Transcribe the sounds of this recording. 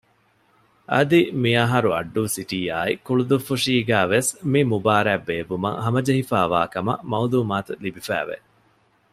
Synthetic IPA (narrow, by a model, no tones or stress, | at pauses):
ʔɐd̪imiɐɦɐɾuɐ̰ɖːuːsiʈiːaːikuɭud̪ufːuʂiːɡæːʋesmimubaːɾæːbːeːbumɐ̰ŋhɐmɐd͡ʒɐɦifaːʋa̰ːkɐmɐ̰mɐuluːmaːt̪ulibifæ̰ːʋḛ